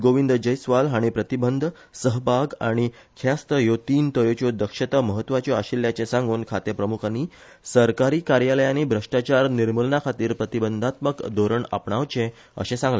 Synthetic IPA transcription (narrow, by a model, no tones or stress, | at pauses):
ɡoʋind̪ʱd͡ʑəjsʋalɦãipɾət̪ibənd̪ʱ | səɦbʱaɡa̰ɽ̃i | kʰjast̪əjot̪iːnt̪əjot͡ɕod̪əkʂət̪əməɦət̪ːʋat͡ɕjoaɕiljat͡ɕẽsãŋɡuːnkʰat̪epɾəmukʰanːi | səɾkaɾiːkaɾjaləjanibʱɾəʂʈat͡ɕaɾniɾməlnakʰat̪iːɾpɾət̪ibənd̪ʱat̪məkd̪ʱoɾəɳa̰pɳaʋt͡ɕẽ | ə̰ɕẽsãŋɡle